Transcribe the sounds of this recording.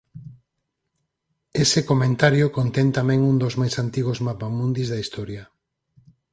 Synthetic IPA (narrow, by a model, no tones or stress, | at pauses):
esɪkomẽnt̪aɾjokont̪ɛnt̪amɛ̃ŋund̪ozmajsant̪iɣ̞ozmapamũnd̪izðɐist̪ɔɾjɐ